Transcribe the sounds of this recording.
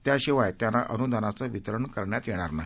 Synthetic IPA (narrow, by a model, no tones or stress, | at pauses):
t̪jaɕiʋajt̪janaʔənud̪ʱanat͡saʋit̪ɾəɳkəɾɳjat̪jeɽ̃aɾnaɦi